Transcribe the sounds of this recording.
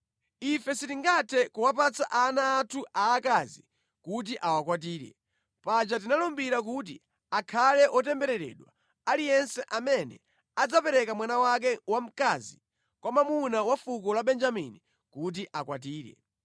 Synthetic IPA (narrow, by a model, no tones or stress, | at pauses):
ifɛsitiŋɡatʰɛkuwapat͡saʔanaːtʰuʔaːkazi | kut̬iʔawakwat̬iːɾɛ̰ | pat͡ʃat̬inalɔmbiɾak̬ut̬ḭ | akʰalɛʔɔtɛmbɛɾɛɾɛ̰ɗwa | alijɛnsɛʔamɛnɛ̰ | ad͡zapɛɾɛkamwanawak̬ɛwam̩kazi | kwamamunawafukɔlaɓɛnd͡ʒamḭni | kut̬iʔakwat̬iːɾɛ̰